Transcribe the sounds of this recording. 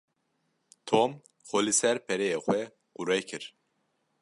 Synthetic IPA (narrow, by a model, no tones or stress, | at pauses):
t̪ʰoːm | xolisɛɾpʰɛɾejexʷwɛ | quɾɛjkʰɨɾ